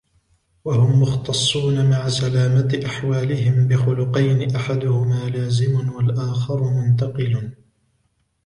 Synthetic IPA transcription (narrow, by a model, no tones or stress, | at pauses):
wahʊmːʊxt̪ɑsˤːuːnamaʕasalaːmat̪ʔaħwaːlɪhɪmbɪxʊlʊqɑjnɪʔaħad̪ʊhʊmaːlaːzɪmʊnwalʔaːxɑɾˤʊmʊnt̪ɑqɨl